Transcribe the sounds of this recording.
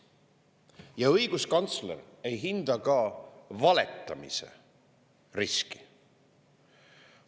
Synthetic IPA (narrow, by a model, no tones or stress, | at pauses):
jɑɤjɡ̥uskɑnt̪slḛɾe̞jɦind̪ɑkɑvɑle̞̰t̪ːˑɑmḭse̞̰ | riski̥